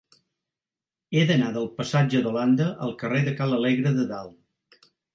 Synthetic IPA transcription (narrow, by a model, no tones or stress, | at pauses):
eðənaðəlˠpəsad͡ʒəðoland̪əʔəlˠkəreðəkaləleɣɾəðəðalˠ